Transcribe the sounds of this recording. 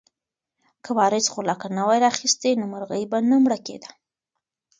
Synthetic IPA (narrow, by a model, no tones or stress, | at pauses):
kʰawɑɾɪsχolakanawajɾɑxist̪enomaɾɣəjbanamɽakḛd̪ḁ